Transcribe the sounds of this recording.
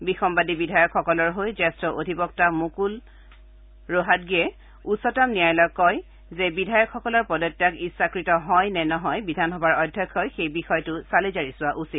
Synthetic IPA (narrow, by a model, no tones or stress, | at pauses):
bixɔmbadibidʱajɔkʰːɔkɔlɔɹɦojzɛstɹɔʔodʱipɔk̚tamukul | ɹoɦat̚ɡiɛ | usɔtamnijajlɔkːɔj | zɛbidʱajɔkʰːɔkɔlɔɹpɔdɔtːakisakɹitɔɦɔjnɛnɔɦɔjbidʱanɦɔbaɹɔdʱjɔkʰːɔjxejbixɔjtʊsalizaɹisʊwaʔusit